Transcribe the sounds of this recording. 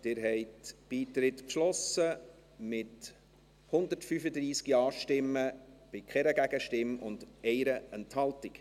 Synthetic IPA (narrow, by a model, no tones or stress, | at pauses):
d̥̪ɪɾɦɛɪtb̥iːt̪ɾɪtpʃlɔsə | mɪt | hʊnd̪əɾtfyfəd̪ɾiːskiɑːʃtɪmːəb̥ɪkχɛɾəɡæɡəʃtɪmʊ̰ndɛɪɾəɛnthɑltɪk